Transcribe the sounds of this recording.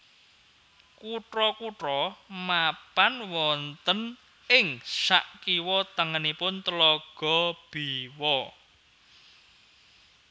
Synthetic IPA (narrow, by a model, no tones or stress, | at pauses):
kuʈɾɔkuʈɾɔmapanwɔnt̪ən | ɪŋsa̰ʔkiwɔt̪əŋənipʊnt̪lɔɡ̥ɔ̤b̥iwɔ